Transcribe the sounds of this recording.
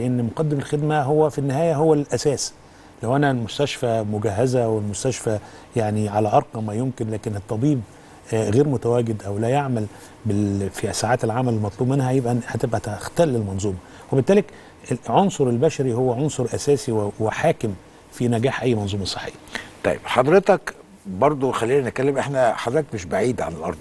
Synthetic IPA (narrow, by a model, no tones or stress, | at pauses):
lʔenːmoqɑd̪ːemelxed̪mæɦowːæfinːɪɦæːjæɦowːælʔæsæːsi̥ | læwʔænælmʊst̪æʃfæmʊɡæɦːæzæwelmʊst̪æʃfæ | jaʕniʕalæʔɑɾˤqɑmːæjomkɪnlæːkɪnet̪ˤːɑbiːb | ɣeːɾmʊt̪æwæːɡɪd̪ʔæwlæjaʕmæl | befisaːʕaːt̪elʕaːmællmɑt̪ˤluːbmenːhæjebʔæhæt̪ebʔæt̪ext̪ælːelmɑnzˤuːmɑ | webɪt̪ːæːlek | ʕonsˤoɾelbæʃæɾihowːæʕonsˤoɾˤʔæsæːsiwweħaːkɪm | finæɡæːħʔæjːmɑnzˤuːmɑsˤe̥ħːḛjːæt̪ˤɑ̰jːḛbħɑd̪ɾet̪ɑk | bɑɾˤd̪ˤoxælːiːnænekælːemʔeħnæħɑd̪ɾet̪ɑkmeʃbaʕiːd̪ʕa̰nelʔɑ̰ɾˤd̪ˤ